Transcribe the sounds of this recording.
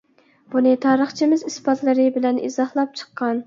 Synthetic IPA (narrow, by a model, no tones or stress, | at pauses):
b̥unɨt̪ʰɑːɾəχt͡ʃʰimɪzisbɑt̪lˠɨɾɨbɪlɛnʔḭzɑhlˠɑp̚t͡ʃʰə̥qːɑn